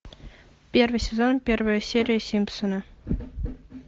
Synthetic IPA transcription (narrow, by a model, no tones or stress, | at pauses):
pʲervɨjsʲezonpʲervəjəsʲeɾʲijəsʲimʲpsənɑ